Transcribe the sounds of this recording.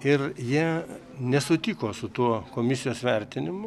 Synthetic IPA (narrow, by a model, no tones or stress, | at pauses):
ɪrjiɛ | nʲɛsʊt̪ʲikoːsʊt̪uɔkoːmʲɪsʲɪjoːsʋʲɛɾʲt̪ʲɪnʲɪmʊ